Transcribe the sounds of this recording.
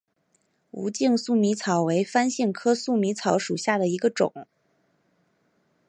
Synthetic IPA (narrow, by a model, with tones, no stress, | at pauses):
ṵ˧˥t͡ɕi˥˧ŋsu˥˩mi˧˥t͡sʰɑ˨˩˥ʊwe˧˥ɪfa˥nɕi˥˩ŋkʰɤ˥su˥˩mi˧˥t͡sʰɑ˧˥ʊʂu˨˩ɕja˥˩d̪ə˩i˧˥ɡə˧ʈ͡ʂʊ̰˨˩˦ŋ